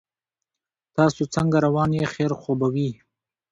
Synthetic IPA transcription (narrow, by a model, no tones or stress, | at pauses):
t̪ɑːsot͡səŋɡaɾawɑnjexeɾxobawi